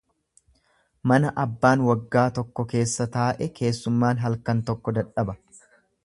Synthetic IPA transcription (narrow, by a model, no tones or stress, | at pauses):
mɐnɐʔɐbːaːnwɐɡːaːt̪ɔkːɔke̞ːsːɐt̪aːʔɛke̞ːsːʊmːaːnɦɐlkɐnt̪ɔkːɔd̪ɐᶑɐbɐ